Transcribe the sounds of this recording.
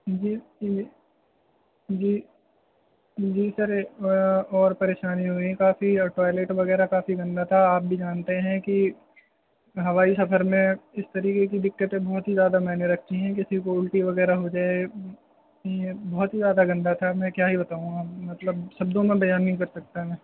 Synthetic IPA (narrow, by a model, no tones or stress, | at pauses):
d͡ʒiː | d͡ʒiː | d͡ʒiːsɐɾ | ɔːɾpɐɾeːʃaːniɦuikaːfiʈɔːɪleːʈʋɐɣɛːɾakaːfiɡɐ̃nd̪at̪ʰaaːp̚bʱid͡ʒaːnt̪eɦɛ̃ki | ɦɐʋaːisɐfəɾmẽɪst̪ɐɾiːkek̬id̪ɪkːət̪ẽbɔːt̪ɦizjaːd̪amɛːneɾɐk̚ʰt̪iɦɛ̃k̬ɪsikoʊlʈiʋɐɡɛːɾaɦod͡ʒaːeɡ | bɔːʊt̪ɦizjaːd̪aɡɐ̃nd̪at̪ʰamɛ̃kjaːɦibɐt̪aːɦũamɐt̪ləbʃɐb̚d̪õmẽbɐjaːnːɐɦĩkɐɾsɐk̚t̪aɦɛ̃ː